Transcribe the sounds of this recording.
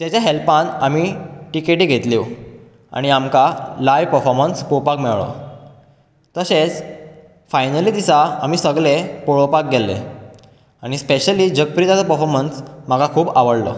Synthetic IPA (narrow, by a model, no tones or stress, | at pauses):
t̪jat͡ɕjaɦelpanamiʈikeʈiːɡʱet̪liw | a̰ɽ̃iamkalajpəɾfɔɾmənspopakmɛwɭə̰ | t̪əɕet͡s | fajnəlid̪isaam̤isəɡɭepoɭopak̚ɡelːḛ | aɽ̃ispeɕəliːd͡ʑək̚pɾit̪at͡sapəɾfɔɾmənsm̤aɡakʰuːbaʋəɽlə̰